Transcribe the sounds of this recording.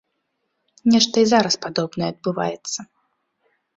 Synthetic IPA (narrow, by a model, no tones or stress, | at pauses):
nʲɛʂt̪ɐizaɾɐspad̪ɔbnɐjɛɐd̪̚bɨva̰jɛt̪sːɐ